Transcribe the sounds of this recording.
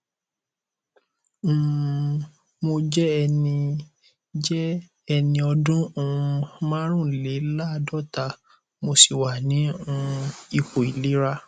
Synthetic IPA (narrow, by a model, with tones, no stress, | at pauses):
mo˧d͡ʒɛ˦ɛ˧nĩ˧ | d͡ʒɛ˦ | ɛ˧nĩ˧ɔ˧dũ˦ũ˧˨˧mã˦ɾ̃ũ˦˨le˨˦la˦˧dɔ˦ta˧˨ | mo˧si˨wa˨nĩ˨˦ũ˧i˨ko˨i˨li˨˦ɾa˦